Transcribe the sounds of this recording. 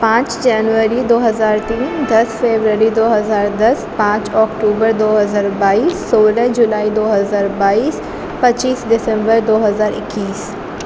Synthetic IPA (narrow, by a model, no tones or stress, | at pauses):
pãːt͡ʃd͡ʒɛːnʋəɾid̪oːɦɐzaːɾt̪iːnd̪ɐsfeːbɾəɾid̪oːɦɐzaːɾd̪ɐspãːt͡ʃɔːkʈuːbəɾd̪oːɦɐzaːɾbaːiːsːoːlə̃d͡ʒʊlaːid̪oːɦəzaːɾbaːiːs | pɐt͡ʃiːsɖɪsə̃mbəɾd̪oːɦɐzaːɾɪ̰kːiːs